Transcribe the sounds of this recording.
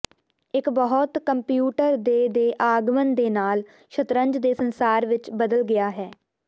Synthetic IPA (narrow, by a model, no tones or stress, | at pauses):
ɪkbəɦɔt̪kəmpjuːʈəɾd̪eːd̪eːʔaːɡmənd̪eːnaːl | ʃʰət̪ɾəɲd͡ʒd̪eːsənsaːɾʋɪt͡ʃbəd̪əlɡɪjaːɦɛː